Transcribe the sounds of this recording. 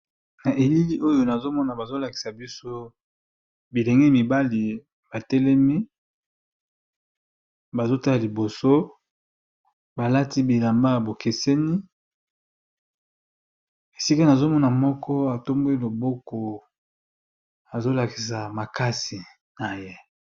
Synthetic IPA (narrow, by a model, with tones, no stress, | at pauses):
na˨ʔe˨li˦li˦ʔo˦jo˦na˨zo˦mɔ˦na˨ba˨zo˦la˨ki̥˨sa˨bi˦so˦ | bi˨lɛ˨ŋɡɛ˦mi˨ba˦li˨ | ba˨tɛ˦lɛ˦mi˦ | ba˨zo˦ta˦la˨li˨bo˨so˦ | ba˨la˦ti˦bi˨la˨mba˦˨bo˨ke˨sɛ˦ni˦ | e˨si˦ka˦na˨zo˦mɔ˦na˨mɔ˦kʰɔ˦a˨to˦mbo˦i˦lo˨bo˦kɔ˨ | a˨zo˦la˨ki̥˨sa˨ma˨ka˦si˨ | na˨je˦